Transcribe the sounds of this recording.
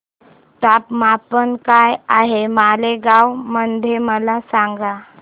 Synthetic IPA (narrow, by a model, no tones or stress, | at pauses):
ʈapmapənkajaɦemaleɡawmənd̪ʱjeməlasaŋɡa